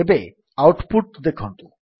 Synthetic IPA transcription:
ebe | awʈpuʈ̚d̪ekʰunt̪u

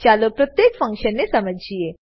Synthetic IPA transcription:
t͡ʃaːlopɾɐt̪jeːkfɐ̃ŋkʃənːesɐməd͡ʒʱd͡ʒieː

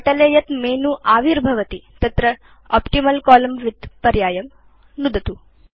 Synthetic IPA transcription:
ɐʈɐleːjɐt̪meːnuʔaːʋiɾbʱɐʋɐt̪it̪ɐt̪ɾɐ | ɔ̰ːpʈimɐlkaːlɐmʋid̪pɐɾjaːjɐm | nud̪ɐt̪u

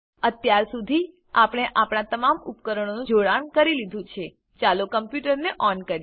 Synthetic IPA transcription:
ət̪jaɾsud̪ʱi | apɽ̃eʔapɳ̃at̪əmamupkəɾəɽ̃onũd͡ʒoɽaɳkəɾilid̪ʱũt͡ʃʰe | t͡ʃalokəmpjuʈəɾneʔɔnkəɾ

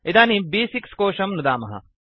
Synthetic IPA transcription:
id̪aːnibiːsikskoːʃɐmnud̪aːmɐɦɐ̰

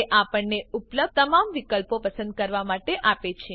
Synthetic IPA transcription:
ʔapəɳneupləbt̪əmamʋikəlpopəsə̃nd̪̚kəɾʋamaʈeʔapet͡ʃʰe

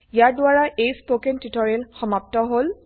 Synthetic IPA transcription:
ijaɹdʊaɹaʔejspokentitɔɹɛlxɔmap̚tɔɦol

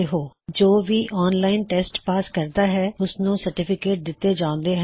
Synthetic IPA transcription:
eɦoːd͡ʒoːʋiːʔɔːnlaːɪnʈɛːsʈpaːskəɾd̪aːɦɛːʊsnũːsəɾʈɪpʰɪkeːʈ̚d̪ɪt̪ːeːd͡ʒãːʊ̃nd̪eːɦ

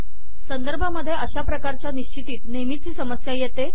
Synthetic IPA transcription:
sənd̪əɾbʱaməd̪ʱːjeəɕapɾəkaɾt͡ɕjaniɕt͡ɕit̪iːt̪nemit͡siːsəməsjajet̪e

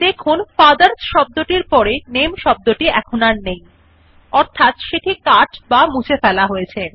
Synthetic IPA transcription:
d̪ekʰunfad̪aɾsʃɔb̚d̪oʈiɾpɔɾenemʃɔb̚d̪oʈiɛkʰonaɾnej | ɔɾt̪ʰat̪ʃeʈikaʈbamut͡ɕʰefɛlaɦojet͡ɕʰe

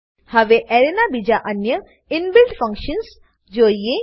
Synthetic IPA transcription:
hɐʋeʔɛɾenabid͡ʒaʔɐnjə | ɪnbɪlɖfɐ̃ŋkʃəns | d͡ʒoːje

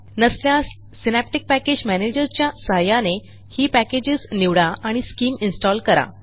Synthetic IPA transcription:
nəslja | sinæp̚ʈik̚pæked͡ʑmæned͡ʑəɾt͡ɕjasəɦajane | hiːpæked͡ʑisniʋɽaʔaɽ̃iskiːminsʈɔlkəɾa̰

